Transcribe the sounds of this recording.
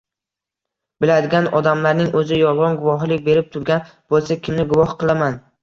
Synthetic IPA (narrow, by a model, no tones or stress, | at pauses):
bɪlad̪ɪɡʲanɒd̪amlaɾnɪŋɵzɪjɒlˠʁɑnɡʊvɒɦlɪk̚ʲbe̞ɾɪp̚t̪ʰʊɾɡʲan | b̥olˠsakʲʰɪmnɪɡʊvɒhqɨlˠaman